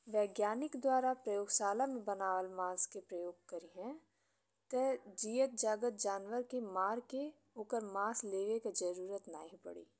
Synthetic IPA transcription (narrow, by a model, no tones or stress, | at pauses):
ʋɛːɡjaːnɪkd̪waːɾapɾɐjoːɡsaːlamẽbənaːʋəlmãːskepɾəjoːɡ̚kəɾiɦɛ̃ | t̪ɛd͡ʒiːət̪̚d͡ʒaːɡət̪̚d͡ʒaːnwəɾkemaːɾke | oːkəɾmãːsleːʋekad͡ʒəɾuːɾət̪na̰ːɦĩpə̰ɽḭː